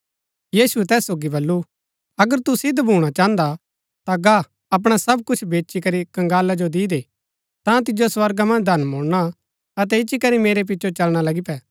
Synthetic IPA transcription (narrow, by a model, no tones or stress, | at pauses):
jiːsuɛt̪ɛːsːoːɡibɐlːu | ɐɡəɾt̪usɪd̪bʱuːɽ̃at͡ʃãːə̃nd̪a | t̪aɡa | ɐp̬ɽ̃asɐb̚kʊt͡ʃʰbeːt͡ʃikɐɾikɐ̃ŋɡaːlad͡ʒod̪iːd̪e | t̪ãt̪̬ɪd͡ʒoswɐɾɡamɐ̃nd͡ʒd̪ʱɐnmoːɽɽ̃a | ɐt̪ɛɪʃikɐɾimeːɾep̬ɪtːʃot͡ʃɐlɽ̃alɐɡipɛː